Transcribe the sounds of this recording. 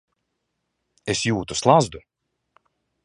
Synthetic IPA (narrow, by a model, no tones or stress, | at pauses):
esjuːt̪uslˠazd̪u